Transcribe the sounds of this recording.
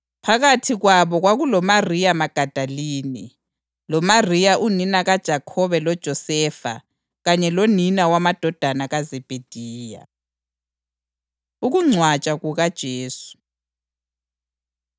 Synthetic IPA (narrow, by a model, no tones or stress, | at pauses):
pʰaɣatʰiɣwaβɔɣwaɣulɔmarijamaɡ̥ʱad̥ʱaliːni | lɔmarijaʔuninaɣad̥ʒ̥ʱakʰɔβɛlɔd̥ʒ̥ʱɔsɛːfa̰ | ɣaɲɛloninawamad̥ʱɔd̥ʱanaɣazɛb̥ʱed̥ʱiːja̰ | uɣuŋ͡ǀʱwat͡ʃʼaɣuɣad̥ʒ̥ʱeːsu̥